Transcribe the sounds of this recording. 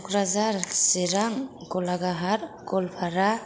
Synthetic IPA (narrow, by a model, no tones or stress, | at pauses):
kɾazaɾsiɾaŋkɔlaɡaɦaɾkɔlpʰaɾa